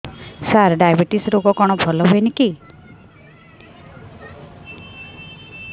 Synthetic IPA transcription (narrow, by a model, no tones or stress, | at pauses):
saɾɖajbiʈisɾoɡɔkɔɽ̃ɔbʱɔlɔɦoeniki